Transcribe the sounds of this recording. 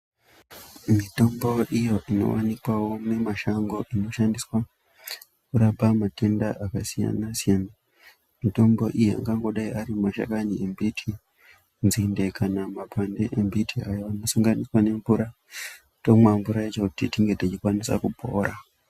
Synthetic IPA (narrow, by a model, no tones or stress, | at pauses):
mito̞mbo̞ʔijo̞ʔino̞̰wanikwawo̞ne̞maʃaŋɡo̞ʔino̞ʃandiswa | kuɾabamate̞ndaʔakasija̰nasijana | mito̞mbo̞ʔijea̰ŋɡaŋɡo̞ɗaiʔaɾimaʃa̰kaniembitʰi | nzinde̞kanamabʱwandeʔembitʰiajoano̞suŋɡaniswane̞ɱbuɾa | tomambuɾait͡ʃo̞kutitiŋɡe̞tit͡ʃikwanisa̰kubʱo̰ːɾa